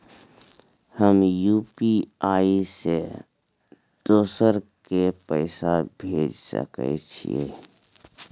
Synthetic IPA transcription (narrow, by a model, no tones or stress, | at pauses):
həmjuːpiaːise | d̪̥oːsəɾkepəɪsabʱeːd͡ʒsə̰kḛt͡ʃʰḭḛː